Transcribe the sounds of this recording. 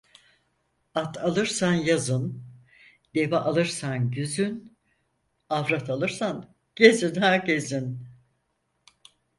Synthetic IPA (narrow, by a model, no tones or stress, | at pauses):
at̪ʰalˠɯɾsanjazɯn | d̪̥e̞vaʔalˠɯɾsanɟyzyn | avɾat̪ʰalˠɯɾsan | ɟ̥ezinhaɾcezin